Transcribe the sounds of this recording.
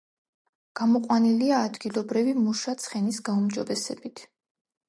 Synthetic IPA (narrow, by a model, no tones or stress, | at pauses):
ɡ̥amɔqʼwaniliaːd̪ɡilˠɔbɾivimuʃat̪sʰχɛnisɡaumd͡ʒɔbɛsɛ̰bit̪ʰ